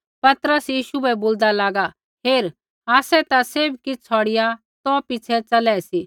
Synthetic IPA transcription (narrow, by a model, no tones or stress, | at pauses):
pɐt̪ɾəsjiːʃubɛboːld̪alaːɡa | ɦeːɾ | aːsɛt̪aseːbkɪt͡sʰɔːɽɪja | t̪ɔpɪt͡ʃʰɛt͡sɐlɛːsi